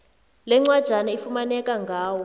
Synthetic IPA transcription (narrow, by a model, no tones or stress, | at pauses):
lɛŋ͡ǀwad̥ʒ̥ʱanaifumanɛkaŋɡʱaːwɔ